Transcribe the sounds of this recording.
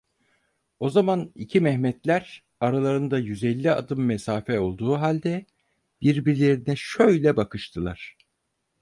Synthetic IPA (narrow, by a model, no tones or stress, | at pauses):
o̞zamanicʰimɛhmɛt̪lʲæɾ | aɾalˠaɾɯnd̪ajyzɛlʲːia̰d̪ɯmːɛsaːfɛo̞lˠd̪uːɦalʲd̪ɛ | b̥iɾbiɾlʲe̞ɾinɛʃø̞jlʲɛbakʰɯʃt̪ʰɯlˠaɾ̥